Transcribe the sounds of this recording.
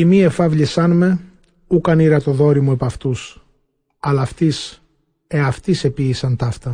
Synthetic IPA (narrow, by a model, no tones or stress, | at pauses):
imie̞fɐvʎisɐnme̞ | ukɐniɾɐt̪o̞ðo̞ɾimue̞pɐft̪us | ɐlɐft̪is | eɐft̪ise̞piːsɐnt̪ɐft̪ɐ